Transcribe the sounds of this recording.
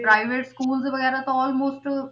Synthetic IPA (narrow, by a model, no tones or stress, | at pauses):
pɾaɪʋeʈskuːld͡zebʋɐɡɛːɾat̪oɔːlmoːsʈ